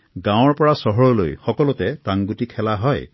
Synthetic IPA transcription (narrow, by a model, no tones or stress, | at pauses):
ɡãw̃ɔɹpɔɹasɔɦɔɹɔlojxɔkɔlut̪ɛtaŋɡutikʰɛlaɦɔj